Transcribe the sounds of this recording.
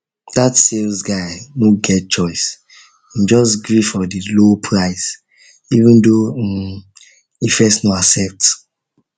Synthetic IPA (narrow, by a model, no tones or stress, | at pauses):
d̥atselzɡaɪnoɡɛt̚t͡ʃɔɪs | ĩmd͡ʒɔsɡɹifɔdilopʰɹaɪz | ivə̃ndo | ifɛsnoasɛp̚t